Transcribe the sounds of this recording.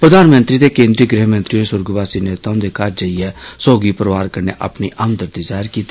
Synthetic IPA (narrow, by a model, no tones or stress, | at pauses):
pɾəd̪aːnmənt̪ɾiːd̪eːkẽːnd̪ɾiːəɡɾɪɦmə̃nt̪ɾiːonesʊɾɡʋaːsiːneːt̪aõːd̪eːkəɾd͡ʒəiɛːsoːɡiːpəɾəʋaːɾkəɾnḛːʔa̰ːpniːʔəmd̪əɾd̪iːzaːɪɾkiːt̪ːiː